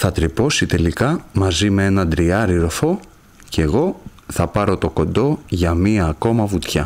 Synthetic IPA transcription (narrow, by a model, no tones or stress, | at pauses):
θɐt̪ɾipo̞sit̪e̞likɐmɐzimee̞nɐd̪ɾiɐɾiɾo̞fo̞ | ce̞ɣo̞ | θɐpɐɾo̞t̪o̞ko̞nd̪o̞ʝɐmiɐːko̞mɐvut̪çɐ